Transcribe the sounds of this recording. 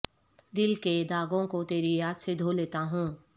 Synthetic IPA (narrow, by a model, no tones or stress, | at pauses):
d̪ɪlked̪aːɡõkot̪eːɾijaːd̪sed̪ʱoleːt̪aɦũː